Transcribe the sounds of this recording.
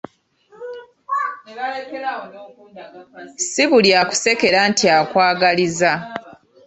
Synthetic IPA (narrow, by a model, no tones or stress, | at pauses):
siβuljaku̥se̞ke̞ɾantiakwaːɡaliza